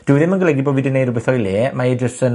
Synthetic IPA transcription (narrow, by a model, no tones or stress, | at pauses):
d̥ɪwðɪmənɡəlɛɡiboːbvidɪnejdrʊbɛθɔjleːmaedrəsən